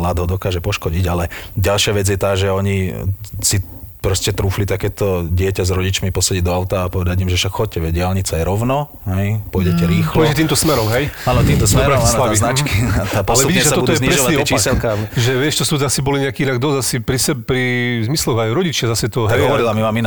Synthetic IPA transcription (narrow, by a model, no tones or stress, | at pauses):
lad̪ɦɔd̪ɔkaːʒɛpɔʃkɔɟiɟalɛɟalʃɪaʋɛd͡zjɛt̪aːʒɛɔɲisi | pɾɔscɛt̪ɾuːflit̪akɛːt̪ɔɟɪɛcazɾɔɟit͡ʃmipɔsaɟiɟd̪ɔaʊt̪aːpɔʋɛd̪aɟimʒɛfʃakxɔc̚cːɛʋɛɟɪalɲit͡sʊajɾɔʊnɔ | ɦɛjpɔjɟɛcɛɾiːxlɔʋɛɛcɛt̪iːmt̪ɔsmɛɾɔmɦɛjaːnɔt̪iːmt̪ɔsmɛɾɾaalainat͡ʃkit̪apɔalɛvuiɟiɛsasat̪ɔudt̪ɔjɛɲɾɛʒɔʋaniɛɔt͡ʃːsɛlkaʒɛʋɪɛʃt͡ʃɔst̪uzasibɔliɲɛakiinaɡ̚d̪ɔzasipɾisɛbpɾizmislɔɣajɾɔɟit͡ʃazasɛt̪ɔɦ̪aɛɦɔʋɔɾilamimaːmina